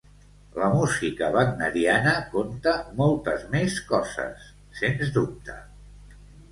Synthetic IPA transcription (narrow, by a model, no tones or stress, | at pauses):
ləmuzikəβəɡnəɾianəkomt̪əmɔlˠt̪əzmeskɔzə̰sː | enzðup̚t̪ʰə̰